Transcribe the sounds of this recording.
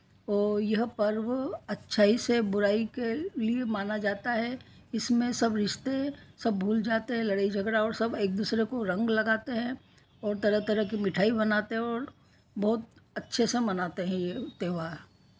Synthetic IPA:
ɔːɾjɐɦpɐɾwɐtːʃʰaːisebʊɾaːikeliemaːnad͡ʒaːt̪aɦɛ | ɪsmẽsɐbɾɪʃt̪esɐbːʱuːld͡ʒaːt̪eɦɛ̃lɐɽaːid͡ʒʱɐɡɾaɔːɾsɐbeːk̚d̪uːsɾekoɾɐ̃ŋɡlɐɡaːt̪eɦɛ̃ | ɔːɾt̪ɐɾət̪ɐɾəɦk̬imɪʈʰaːibɐnaːt̪eɦɛ̃ɔːɾ | bɔɦʊt̪̚ɐtːʃʰesemɐnaːt̪eɦɛ̃jet̪eːɦʋa

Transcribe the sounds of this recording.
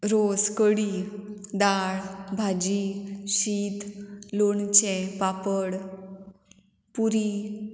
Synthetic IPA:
ɾoskəɽid̪aɭbʱad͡ʑiɕit̪loɳt͡ɕẽpapəɽ | puɾi

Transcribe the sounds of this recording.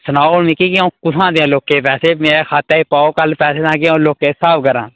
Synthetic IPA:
sənaːomikiːkɪaũːkʊsʰãːd̪eãːloːkẽːpɛːseːmeːɾeːkʰaːt̪eːiːpaːoːkəlpɛːseːt̪ãːkɪãːloːkeːsaːbkəɾã̰ː

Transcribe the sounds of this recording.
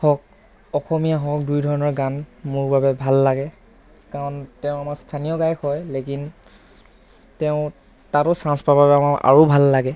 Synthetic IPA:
hɔk̚ | ɔxɔmijaɦɔk̚dujdʱɔɹɔnɔɹɡanmʊɹbabɛbʱalːaɡɛ | kaɹɔntɛʊ̃amaɹstʰanijɔɡajkɔjlekin | tɛʊ̃ | tatɔsãspababɛamaɹʔa̰ɹobʱalːaɡɛ

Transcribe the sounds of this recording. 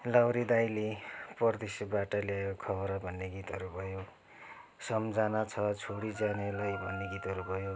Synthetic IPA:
lawɾid̪ajleprʌrd̪esjʌbaʈʌljaekokʰʌβʌɾʌbʱʌnːeɡit̪ɦʌɾubʱʌjo | sʌmd͡zanat͡sʰʌt͡sʰoɽid͡zanelajbʱʌnːeɡit̪ɦʌɾubʱʌjo

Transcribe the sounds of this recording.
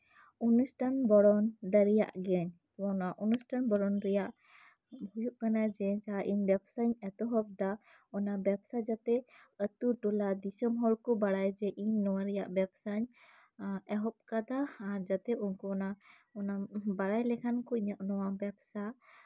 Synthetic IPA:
unusʈʰanbɔɽɔnɖ̪əɾija̰ʔɡɛɲ | naʔunusʈʰanbɔɽɔnɾɛjaʔ | bʱujuʔkanad͡ʒɛsaaʔiɲbjɛbsaɲɛt̪ɔɦɔp̚d̪a | ɔnabɛbsad͡ʒat̪ɛət̪uʈɔlad̪isɔmɦɔlkɔbaɽajd͡ʒɛʔiɲnɔwaɾɛjaʔbɛbsaɲ | ɛɦɔp̚kad̪aːɾd͡ʒat̪ɛɔnkɔːna | ɔnabaɽajlɛkʰankɔiɲaʔnɔwabɛbsa

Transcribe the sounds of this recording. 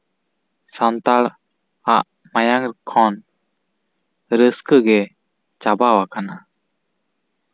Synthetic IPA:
sant̪aɾ | aʔ | majaŋkʰɔn | ɾəskəɡɛ | t͡ʃabawakana

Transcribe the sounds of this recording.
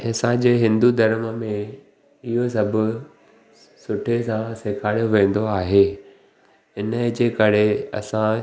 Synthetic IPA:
ɪsãd͡ʑeːɦɪ̃nd̪ud̪ʱɐɾəmmẽ | ɪɦos̬ɐbʱʊ̆ | sʊʈʰesãsekʰaːɽjoʋẽːn̆d̪oaːɦeː | ɪnəd͡ʑeːkɐɾeɐ̰sã

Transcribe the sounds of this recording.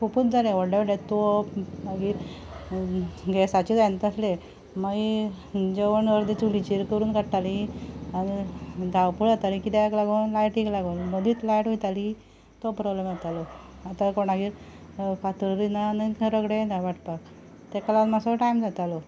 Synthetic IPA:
kuput̪̚d͡zalẽʋɔɽɖeʋeɽet̪oaɡiːɾ | ɡɛsat͡ɕid͡zajnt̪əsle | məɡ | d͡ʑeʋənʋəɾd̪et͡sulit͡ɕiɾkəɾuːnkəʈʈalianid̪ʱawpuɭat̪alikit̪ɛklaɡonlajʈːiklaɡonməd̪iːt̪lajʈɦujt̪ali | t̪opɾɔblemjɛt̪alɔ | at̪akoɳaɡiːɾ | kat̪uɽɾinanəɾəɡɽed̪ʱaʋaʈpak | t̪ɛkəlanmasoʈajmd͡zat̪alɔ

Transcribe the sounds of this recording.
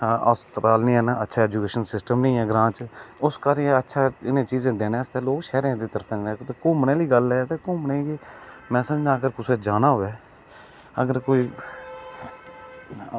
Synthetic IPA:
a̰ːst̪ɾaːlnĩːɛːnaːətːʃʰaːɛːd͡ʒukeːʃənsɪsʈəmnəĩːɛːɡəɾãːt͡ʃʊskaɾətːʃʰaːɪnẽːt͡ʃiːzẽːd̪eːneːəst̪ɛːloːɡʃɛːɾeãːd̪iːt̪əɾpʰẽet̪eːkũːmənẽːliːɡəlɛːt̪eːkũːməneːɡeːmɛ̃ːsəməd͡ʒãːəɡəɾkʊsẽːd͡ʒaːnaːɦoːɛː | əɡəɾkoːiː

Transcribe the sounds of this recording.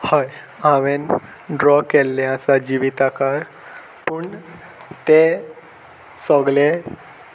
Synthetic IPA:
haj | ãʋen | ɖɾɔkelːeasad͡ʑiʋit̪akaɾ | puːɳ | t̪e | sɔɡle

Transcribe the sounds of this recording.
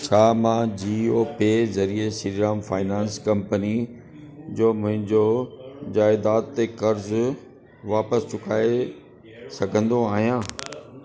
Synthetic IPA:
t͡ɕʰaːmãːd͡ʑiːoːpezɐɾiesiɾɾaːmfaːɪnãːnskɐ̃mpəni | d͡ʑoːmʊ̃ɦɪ̃ɲd͡ʑod͡ʑaːɪd̪aːt̪ːekɐɾz | ʋaːpəst͡ɕʊkaːe | sɐɡʱə̃nd̪oaːɦijãː

